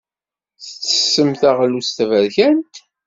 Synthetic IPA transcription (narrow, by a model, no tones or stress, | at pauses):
θət͡sːə̥sːəmθæʁlust̪vəɾçænt̪